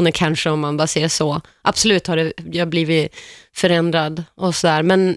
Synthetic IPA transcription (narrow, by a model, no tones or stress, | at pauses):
nəɾkʰanʂəɔmːanbɑːɾseːɾʂɔ | ʔab̥sɔlʉ̟ːt̪haɖɛjaabliːvɪfœɾɛnd̪ɾad̪ʔɔsɔd̪æːɾmɛn